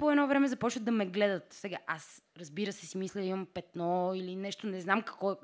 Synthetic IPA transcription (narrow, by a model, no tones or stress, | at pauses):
poɛd̪nɔvɾɛmɛzɐpɔt͡ʃvət̪d̪ɐmɛɡlɛd̪ət̪sɛɡaʔasɾɐzbiɾəsɛsimislʲɛd̪imɐmpɛt̪nɔilinɛʃt̪onɛznamkɐ̥kvɔɛ